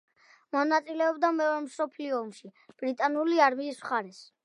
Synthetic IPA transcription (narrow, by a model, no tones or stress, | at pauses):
mɔnat̪sʼilɛɔbd̪amɛɔɾɛmsɔpʰliɔɔmʃib̥ɾit̪ʼanuliaɾmiːsmχaɾɛs